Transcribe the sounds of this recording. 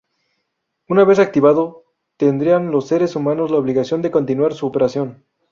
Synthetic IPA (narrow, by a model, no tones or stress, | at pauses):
unaβe̞sak̚t̪iβaðo̞ | t̪end̪ɾianlo̞sːe̞ɾesumãnozlaoβ̞liɣasjo̞nd̪e̞ko̞nt̪inwaɾsuopeɾasjo̞n